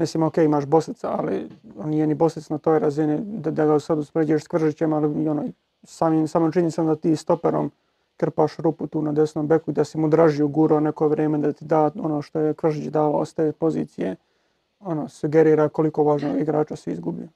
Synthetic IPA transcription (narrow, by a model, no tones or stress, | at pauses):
mislimokeːimaːʃbo̞st̪it̪saa̰lḭonijenibo̞st̪it̪snat̪oːjɾazinid̪ad̪aɡausad̪uspɾed͡ʒueʃskʋr̩ʃit͡ɕemaliono | saːmimsaːmomt͡ʃinisamd̪at̪iːst̪o̞peɾo̰m | kr̩paːʃɾuput̪uːnad̪esnoːmbe̞kuid̪asimud̪ɾaʒijuɡuɾonekoʋɾeːmed̪at̪id̪aːo̞noʃt̪o̞jekʋr̩ʃit͡ʃd̪aːʋaost̪eːpo̞zḭːt̪sije | onosuɡeɾiːɾako̞liko̞ʋaːʒnoɡiɡɾaːt͡ʃasiḭzɡubio